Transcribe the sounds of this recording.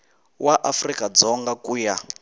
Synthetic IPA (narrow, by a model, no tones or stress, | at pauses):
wʔaʔafrikad͡zɔŋɡakuːja